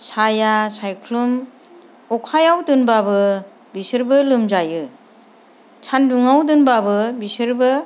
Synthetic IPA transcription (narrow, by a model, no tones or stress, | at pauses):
sajasajkʰlum | ɔkʰajawtɯnbabɯ | bisɯɾbɯlɯmd͡ʒajɯ | t͡ʃʰanduŋawdɯnbabɯbisɯɾbɯ